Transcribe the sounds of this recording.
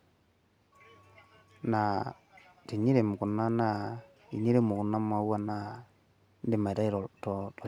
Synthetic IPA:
na˨ | te˨ɲe˦ɾe˨mu˨kʊ˨nːa˦na˦˨ | ḭ˨ɲe˦ɾe˦˨mʊ˨kʊ˨nːa˦m˦a˨˦wa˦na˦˨ | n˦de˨ma˨ta˦i˦ɾɔ˨tɔ˨tɔ˨

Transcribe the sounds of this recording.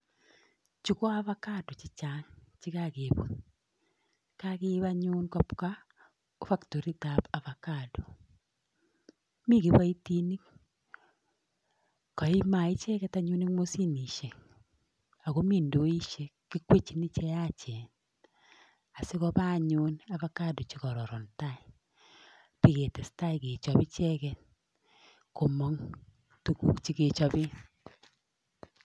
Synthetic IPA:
t͡ʃu˨ko˦a˦βa˦ka˦do˨t͡ʃi˦t͡ʃa˦nt͡ʃi˦ka˦ke˨βo̰˨ | kake˦βa˦ɲu˦nka˦pka˦ | o˦fa˦kto˨ɾi˦tapa˨va˨ka˨do˨ | mi˦˨ki˨βa˦i˦ti˦ni˦ | kɔ˨i˦ma˨i˦t͡ʃɛ˦kɛ˦ta˦ɲu˦ni˦mo˦si˦ni˨ʃe˨ | a˨ɣo˦mi˦˨ndo˨˦i˦ʃe˦ki˦kwe˦t͡ʃi˦ni˦t͡ʃɛ˦a˦t͡ʃɛ˨n | a˨sɪ˦kɔ˦ba˦˨ɲʊ˦na˨ba˦ka˦˨du˨t͡ʃi˦kɔ˨ɾɔ˨ɾɔ˨nta˦ɪ˨ | pi˦˨ke˨tɛ˨sta˦i˨ke˨t͡ʃɔ˨bɪ˦t͡ʃɛ˦kɛ˦ | ko˨mɔ˦ŋ | tu˦kṵ˦kt͡ʃi˦ke˨t͡ʃɔ˦bɪ˦

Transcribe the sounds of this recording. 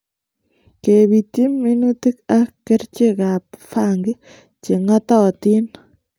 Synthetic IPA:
keβi˨t̪i˦mːi˦nu˦t̪i˦kakːe˦ɾt͡ʃikap̚faŋɡɪ˦ | t͡ʃi˨ŋa˦tɔti˦n

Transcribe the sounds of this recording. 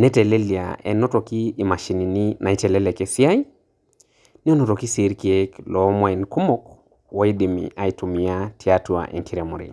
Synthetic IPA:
nɛ˦tɛ˨le˦li˨a̰˨ɛ̰˨nɔ˦tɔ˨kiː˦˨ma˨ʃi˨ni˨ni˦nʔa˨i˦t͡ʃɛ˨lɛ˦lɛ˨ke˨si˦a˦i˦ | ni˦ɔ˦nɔ˨tɔ˨ki˦si˨˦ɾki˦e˦klɔ˨˦ma˦i˨nku˦mo˦k | wɔ˨˦i˦di˨mḭ˨ʔa˨i˨tu˨mi˨a˦ti˨atwa̰˨ʔɛ̰˨ŋkʰi˦ɾe˨mu˨ɾḭ˨

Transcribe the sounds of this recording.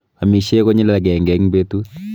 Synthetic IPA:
a˨mi˨ʃe˦ko˦ɲi˦la˨ɡɛ˨ŋɡɛ˨ŋbe˦tu˦t̚

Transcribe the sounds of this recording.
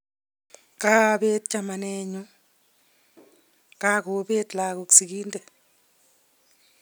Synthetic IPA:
ka˦˨be˦t̚t͡ʃa˨ma˨nɛ˦ɲu˦ | ka˦ko˨˦be˦tla˨ko˨ksi˨kiː˦ndɛ˨

